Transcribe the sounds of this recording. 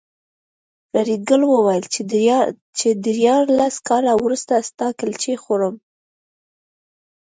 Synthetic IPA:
ɾɑɾeɡəlwəwajəl | t͡ʃed̪əɾjɑɾlaskɑlawɾust̪ast̪ɑkalt͡ʃexoɾəm

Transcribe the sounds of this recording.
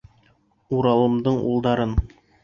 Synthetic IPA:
uɾɑlˠɤ̆md̪ɤɴṵlˠd̪ɑɾɤn

